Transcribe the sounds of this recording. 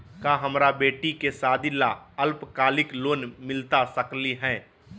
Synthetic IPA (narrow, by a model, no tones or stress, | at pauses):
kaɦəmɾabeːʈikesaːd̪ilaəlpkaːlɪkloːnmɪlt̪asəkliɦɛ̃ː